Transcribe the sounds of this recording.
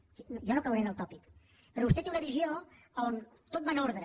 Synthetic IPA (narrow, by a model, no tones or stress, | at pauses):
nʒɔnokawɾenəlˠt̪ɔpik | pɾɔβust̪ɛt̪ĩŋunəβizio | aon | t̪ot̪̚manoɾðɾə